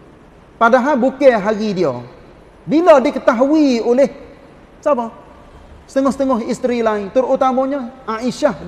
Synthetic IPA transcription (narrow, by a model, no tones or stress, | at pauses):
padaɦalbukɛɦaɾidiɔ | bilɔdikət̪aɦuioleh | sabɔ | sə̥t̪əŋɔhsə̥t̪əŋɔɦist̪ɾilaɪnt̪ʊrut̪amɔɲɔʔaiʃah